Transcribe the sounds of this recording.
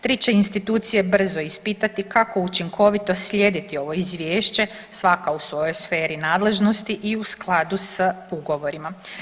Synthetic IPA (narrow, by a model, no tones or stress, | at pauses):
t̪ɾit͡ɕe̞inst̪it̪uːt̪sije̞br̩zo̞ispiːt̪at̪ikako̞ut͡ʃiŋkʰo̞ʋit̪o̞sʎʲe̞d̪it̪io̞ʋo̞izʋʲjeːʃt͡ɕe̞ | sʋakausʋo̞jo̞jsfe̞ːɾinaːd̪le̞ʒno̞st̪iʔiusklˠad̪usuɡo̞ʋo̞ɾima